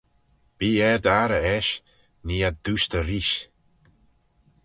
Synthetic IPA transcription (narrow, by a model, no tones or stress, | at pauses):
b̥iːɛɾd̪aɾəɛʃ | niːad̪uʃt̪əɾiʃ